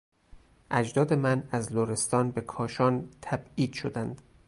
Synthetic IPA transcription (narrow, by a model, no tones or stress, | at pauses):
ʔæd͡ʒd̪ɒːd̪e̞mænæzloɾe̞st̪ɒːnbe̞kʰɒːʃɒːnt̪ʰæbiːd̪̥ʃo̞d̪ænd̪̥